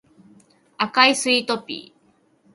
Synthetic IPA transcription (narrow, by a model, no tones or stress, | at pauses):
akaisɨit̪opḭ